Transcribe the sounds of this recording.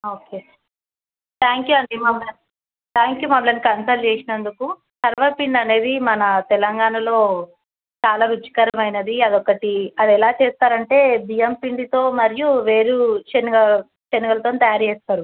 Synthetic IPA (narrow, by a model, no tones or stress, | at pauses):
oːkesɐɾ | t̪ʰaːŋkjuɐɳɖimɐmɐ | t̪ʰaːŋkjumɐmlɐnkɐnsɐld͡ʒeːsinɐnd̪uku | sɐɾʋɐpiɳɖɐne̞ːd̪imɐnɐt̪ɛlɐŋɡaːɳɐlo̞ː | t͡ʃaːlaːɾut͡ʃi̥kɐɾɐmɐjnɐd̪iɐd̪ɔkːɐʈiɐd̪ɛlaːt͡ʃeːst̪aːɾɐɳʈe̞ːbijɐmpiɳɖit̪o̞ːmɐɾijuʋe̞ːɾut͡ʃeniɡɐ | t͡ʃenuɡɐlɐt̪oːnt̪ɐjaːɾeːst̪aːɾu